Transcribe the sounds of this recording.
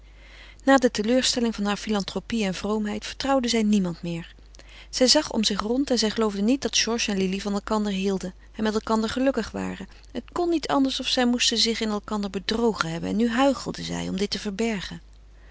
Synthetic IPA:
naːdətəløːɹstɛlɪŋvɑnɦaːɹfilɑntrowpiɛnvrowmɦɛjtfə̥ɹtrɑwdəzɛjnimɑntmɪːɹ | z̥ɛjzɑχɔ̰mzɪχrɔntɛnzɛjχəlowvdənit̚dɑtʒ̥ɔɹʃɛnlilivɑnɛlˠkɑndəɹɦilˠdən | ɛnmɛtɛlˠkɑndəɹχəlɵkəχʋa̰ːrə | ɦətkɔnːitɑ̰ndəɹsɔfsɛjmustəzɪχɪnɛlˠkɑndəɹbədrowχənɦɛbənɛ̰nːyɦœɥχəlˠdəzɛ̰jɔ̰mdɪtəvəɹbɛɹχən

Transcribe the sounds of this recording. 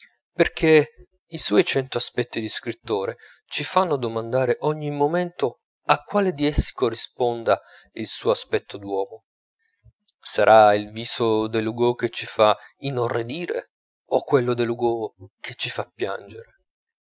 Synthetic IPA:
perk̟ʰe | iswɔjt͡ʃɛnt̪oaspɛt̪ːid̪iskɾit̪ːoːɾe | t͡ʃifanːod̪omand̪aːɾeʔɔɲːimomɛnt̪o | akːwaːled̪iɛsːi̥korːispɔnd̪a | ilsuːoaspɛt̪ʰːod̪wɔːmo | saɾʔailviːsod̪elːuɡoket͡ʃːifainorːed̪iːɾḛ | okːwelːod̪elːuɡok̟ʰet͡ʃːifapːja̰nd͡ʒeɾe

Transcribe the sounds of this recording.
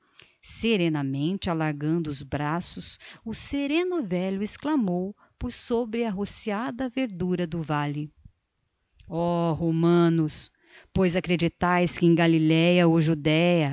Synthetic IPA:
seɾẽnɐmẽnt͡ʃɪalaɾɡɐ̃nd̪ʊːzbɾasʊsʊseɾẽnʊvɛʎʊesklamow | poɾsobɾɪɐɦosiad̪ɐveɾd̪uɾɐd̪ʊvalɪ | ɔɦomɐ̃nʊs | pojzakɾed͡ʒit̪ajskɪẽj̃ɡalilɛjɐoʒud̪ɛjɐ

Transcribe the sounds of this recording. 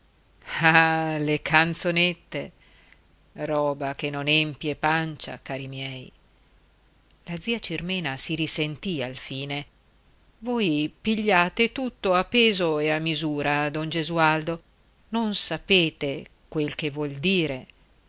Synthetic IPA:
alekʰant̪sonet̪ːḛ | rɔːbakenːonempjepant͡ʃa̰kaːɾimjɛːj | lad̪ziːat͡ʃirmɛːnasiɾisent̪ialfiːne | vojpiʎːaːt̪et̪ut̪ːoapːeːzoeamːizuːɾad̪ond͡ʒezuald̪o | nonsapeːt̪ekwelk̟evwɔld̪iːɾe

